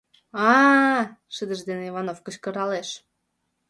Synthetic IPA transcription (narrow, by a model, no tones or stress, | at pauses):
ɑ | ʃɨd̪əʒd̪eneivɑnofkə̆t͡ɕkə̆ɾɑleʃ